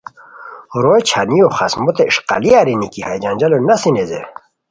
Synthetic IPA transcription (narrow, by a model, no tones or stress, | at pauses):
ɾojt͡ɕʰanijoχasmot̪eiʂqa̰liaɾinikihajd͡ʑand͡ʑɐlonasinezḛ